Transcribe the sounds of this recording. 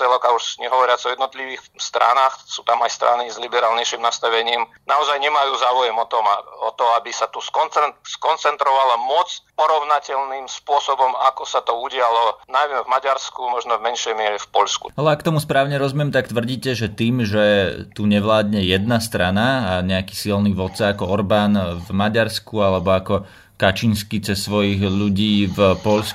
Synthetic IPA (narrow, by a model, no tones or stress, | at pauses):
ɛlɔkauʃɲɛɦɔʋɔɾɪat͡sɔjɛd̪nɔt̪liʋiːxst̪ɾa̰naːxsuːt̪amajst̪ɾa̰nizlibɛɾaːlɲɛjʃimnast̪aʋɛɲiːm | naɔzajɲɛmajuːzaːujɛmɔt̪ɔmɔt̪ɔabisat̪uskɔnt͡sɛnskɔnt͡sɛnt̪ɾɔʋalamɔt͡spɔɾɔʊnacɛʎnimspʊɔsɔbɔmakɔsat̪ɔuɟɪalɔnajmɛvmaɟaɾskumɔʒnɔvmɛnʃɛjmɪɛɾɛfpɔʎskṵalɛakːt̪ɔmuspɾaːʊɲɛɾɔzumjɛmt̪ak̚t̪ʋr̩ɟiːcɛʒɛt̪iːmʒɛt̪uɲɛʋlaːd̪ɲɛjɛd̪nast̪ɾanaaɲɛaki̥ːsilniʋɔt̪t͡saakɔɔɾbaːnvmaɟaɾskualɛbɔakɔ | kat͡ʃinskit͡sɛsːʋɔjiɣʎuɟiːvpɔʎsk